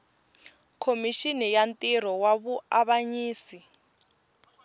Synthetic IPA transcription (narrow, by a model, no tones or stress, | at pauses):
kʰomiʃinɛjantʼiɾ̤ɔwaβuaβaɲiːsi